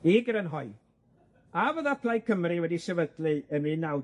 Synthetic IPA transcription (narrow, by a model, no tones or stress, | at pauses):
ɪɡəɾənɦɔɨ | avəðapʰlˠajkʰəmriwɛdisɛvədlɨənmɨnːaw